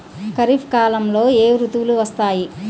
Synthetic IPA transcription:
kɐɾipʰkaːlɐmlo̞ːeːɾut̪uʋuluʋɐst̪aːji

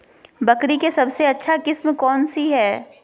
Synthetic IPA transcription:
bɐkɾikesɐbseɐtːʃʰakɪsmkɔːnsiɦɛː

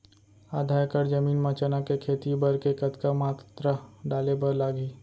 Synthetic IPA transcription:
aːd̪ʱaːjkəɾd͡ʒɐmiːnmãt͡ʃənakekʰeːt̪ibɐɾkekət̪kamaːt̪t̪ɾaɖaːlebəɾlaːɡiː

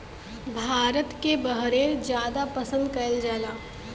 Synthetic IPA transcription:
bʱaːɾət̪kebɐɦɾẽd͡ʒjaːd̪apɐsə̃nd̪kɐld͡ʒaːlaː

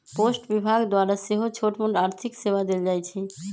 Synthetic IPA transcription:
posʈbibʱaɡd̪waɾaʃeɦot͡ɕʰoʈmoʈaɾt̪ʰiksebad̪eld͡ʑajt͡ɕʰi

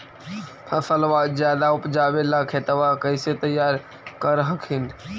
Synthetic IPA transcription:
pʰɐsəlʋaːd̪zjaːd̪aʊpd͡ʒaːʋelakʰeːt̪əʋakəɪset̪əjaːɾ | kəɾɦəkʰɪn

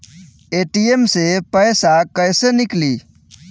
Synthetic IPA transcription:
eʈiemsepəɪsakəjsenikli

